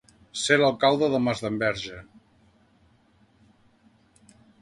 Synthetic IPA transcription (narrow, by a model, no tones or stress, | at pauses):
seləlˠkalˠd̪əðəmazðəmbɛɾʒə